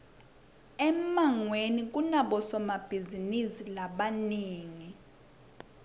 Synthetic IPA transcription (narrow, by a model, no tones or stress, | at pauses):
ɛmaŋwenik̬unaɓɔsɔmab̥ʱizinisilaɓaniːŋi